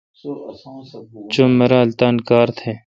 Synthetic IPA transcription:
t͡ʃumːɐɾaːlt̪aːnkaːɾt̪ʰeː

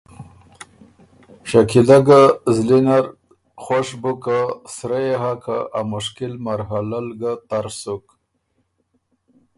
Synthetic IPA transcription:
ʃakilaɡazlinaɾ | xoʃbukasɾajeɦakʰa̰ʔamʊʃkɪlmaɾɦalalɡat̪aɾsuk

